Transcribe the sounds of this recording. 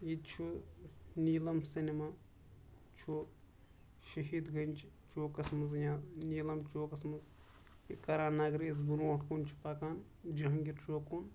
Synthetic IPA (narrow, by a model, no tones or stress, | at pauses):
it͡ʃʰu | niːlɐmsinimaː | t͡ʃʰu | ʃɐɦiːd̪ɡɐnt͡ʃʰ | t͡ʃoːkɐsmɐzjãːniːlɐmt͡ʃoːkɐsmɐz | ikɐɾaːnaɡɾiːzbuɾõːʈʰkunt͡ʃʰi̥pɐkaːn | d͡ʒiɦɐŋɡiɾt͡ʃoːkun